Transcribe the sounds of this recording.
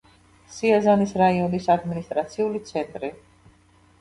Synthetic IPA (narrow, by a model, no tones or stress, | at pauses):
siazanisɾaiɔnisad̪minist̪ʼɾat̪sʰiulit̪sʰɛnt̪ʼɾi